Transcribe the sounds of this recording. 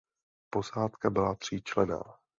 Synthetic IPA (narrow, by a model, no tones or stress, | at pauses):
po̞saːt̪kabɪlat̪r̝̥iːt͡ʃlɛna̰ː